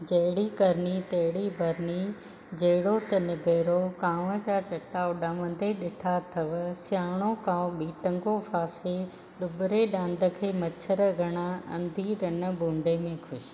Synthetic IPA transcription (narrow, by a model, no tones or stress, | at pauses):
d͡ʑɐɦɪɽikɐɾnit̪ɐɦɪɽibʱɐɾni | d͡ʑɐɦɪɽot̪ɐnɪbʱeːɾokãːʋə̆d͡ʑaːʈɐʈaːʊɗɐmə̃n̆d̪eɗɪʈʰat̪ʰɐʋsjaːɽ̃okãːõɓiːʈə̃ŋɡofaːse | ɗʊbɪɾeɗãːnd̪ʱə̆kʰeːmɐt͡ɕʰəɾɡʱɐɽ̃aɐ̰̃nd̪ʱiɾɐnə̆bʱũːɳɖemẽxʰʊʃ̆